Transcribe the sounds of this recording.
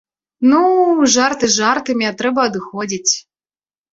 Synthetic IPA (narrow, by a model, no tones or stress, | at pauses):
nuʐart̪ɨzʐart̪ɨmʲiat̪ɾɛbɐɐd̪ɨxɔd͡zʲit͡sʲ